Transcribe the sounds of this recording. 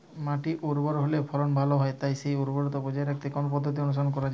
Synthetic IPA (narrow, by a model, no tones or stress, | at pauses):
maʈiʔoɾbɔɾɦolepʰɔlɔnbʱaloɦɔet̪ajsejoɾbɔɾɔt̪obɔd͡ʒɔeɾakʰt̪ekɔnop̬ɔd̪ʱːot̪̬iɔnus̬ɔɔnkɔɾad͡ʒ